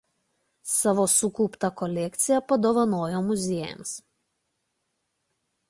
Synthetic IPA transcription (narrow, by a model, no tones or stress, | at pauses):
sɑʋosʊkuːpt̪ɐkɔlʲɛkt̪sʲɪjɛpɐd̪oːʋɐnoːjoːmʊzʲeɛjɛ̰ms